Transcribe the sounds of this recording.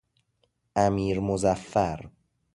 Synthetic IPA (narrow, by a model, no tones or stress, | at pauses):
ʔæmiːɾmozæfːæɾ